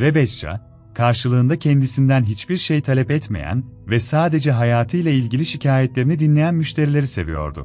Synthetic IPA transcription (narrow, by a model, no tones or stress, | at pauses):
ɾebɛt͡ʃt͡ʃʰa̰ | kʰaɾʃɯlˠɯːnd̪acʰɛnd̪isind̪ænɦit͡ʃbiɾʃejt̪ʰalʲɛpɛt̪mḛjæ̰nvɛsaːd̪e̞d͡ʒɛɦajaːt̪ʰɯjlʲˠailʲɟilʲiʃicʰaːjɛt̪lʲe̞ɾinid̪inlʲe̞jænmyʃt̪ʰe̞ɾilʲe̞ɾise̞̰vḭjo̞̰ɾd̪ʊ̰